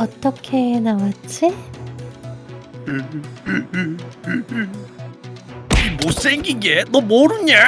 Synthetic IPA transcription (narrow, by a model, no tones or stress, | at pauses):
ʌt͈ːʌkʰenawat͡ɕ͈i | imos͈eŋɡiɡeðomoɾuna